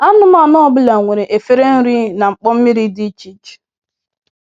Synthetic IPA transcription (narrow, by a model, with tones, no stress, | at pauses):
a˦ʊ˦ma˦˨nɔ˦ɔ˦bʊ˦la˨ŋʷe˨ɾe˨ʔe˨fe˦ɾe˦n̩˦ɾi˦na˨ŋ͡m̩˨k͡pɔ˦m̩˦mi˦ɾi˦di˦t͡ʃi˦t͡ʃ